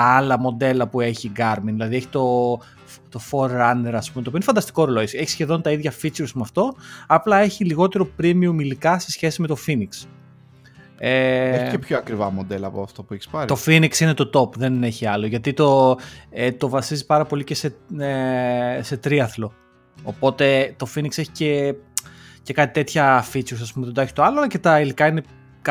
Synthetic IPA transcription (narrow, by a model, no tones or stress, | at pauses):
ɐlɐmo̞d̪e̞lɐpue̞çiɡɐɾminðilɐðieçi̥t̪o̞ | ft̪o̞fo̞ɾːɐne̞ɾɐspumet̪ooinefɐnd̪ɐst̪iko̞ɾoloseçi̥sçe̞ðo̞nt̪ɐiðʝɐfit͡suɾsmɐft̪o̞ɐplɐe̞çiliɣo̞t̪e̞ɾopɾimiomilikɐse̞sçe̞sime̞t̪o̞finiks | eeçiepçoɐkɾivɐmod̪e̞lɐpoɐft̪opuɛçi̥spɐɾit̪o̞finiksine̞t̪o̞t̪o̞pðe̞ne̞çiɐlo̞ʝɐt̪it̪o̞et̪o̞vɐsizipɐɾɐpo̞lice̞se̞ese̞t̪ɾiɐθlo̞ | opo̞t̪e̞t̪o̞finikse̞çi̥ce | ce̞kɐt̪i̥t̪e̞t̪çɐfit͡suɾsɐspumeðd̪oeçst̪oɐloɐlɐce̞t̪ɐilikɐine̞ | k